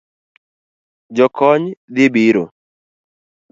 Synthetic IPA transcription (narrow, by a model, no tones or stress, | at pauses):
d͡ʒɔkɔɲd̪ɪbiɾo̰